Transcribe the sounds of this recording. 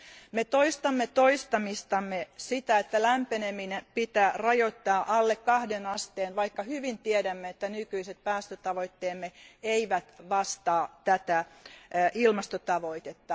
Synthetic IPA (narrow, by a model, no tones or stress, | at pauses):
met̪oist̪ɑmːet̪oist̪ɑmist̪ɑmːesit̪æet̪ːælæmpeneminepit̪æːrɑjot̪ːɑːʔɑlːekkɑhdenɑst̪eːnʋɑikːɑhyʋint̪iedæmːeet̪ːænykyiset̪̚pæːst̪øt̪ɑʋoit̪ːeːmːeeiʋæt̪ʋɑst̪ɑːt̪æt̪æ | ʔilmɑst̪ot̪ɑʋoit̪et̪ːɑ